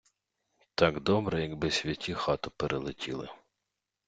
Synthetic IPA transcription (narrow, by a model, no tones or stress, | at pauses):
t̪ɑɡd̪ɔbɾɛjɐɡbɪsʲʋʲɐtʲixɑt̪ʊpeɾʔelˠɪtʲilˠɪ̰